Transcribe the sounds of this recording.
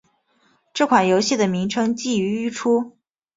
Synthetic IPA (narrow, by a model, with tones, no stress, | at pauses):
ʈ͡ʂɤ˥˩kʰwa˨˩njo˧˥ʊɕi˥˩d̪ə˩mi˧˥ŋʈ͡ʂʰɤ˥ŋt͡ɕi˥˩˧y˧˥y˥˩ʈ͡ʂʰu˥